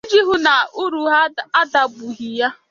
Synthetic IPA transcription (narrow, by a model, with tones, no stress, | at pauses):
e˦d͡ʒi˦ɦʊ˦na˨u˦ɾu˨ɦa˦a˦da˨ɡ͡bu˨ɦi˨ja˦